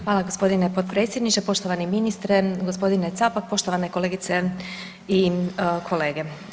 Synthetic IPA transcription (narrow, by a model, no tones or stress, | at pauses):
xʋaːlaɡo̞spo̞d̪inepot̪pɾet̪sʲje̞d̪niʃt̪epo̞ʃt̪o̞ʋaniminist̪ɾeɡospo̞d̪inet̪sapak̚po̞ʃt̪o̞ʋanekole̞ːɡit̪se | ikʰo̞le̞ːɡe